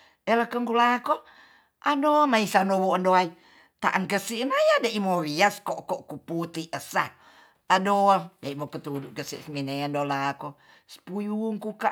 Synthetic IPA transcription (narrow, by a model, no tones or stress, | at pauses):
eləkəŋkulako | ʔadomaisanowoʔəndoai | t̪a̰ʔaŋkəsiʔnajadaʔimoɾiaskɔʔkɔʔkuput̪iəsa | adodaimokət̪uduʔkəsiʔsminendolako | sə̥pujuŋkuka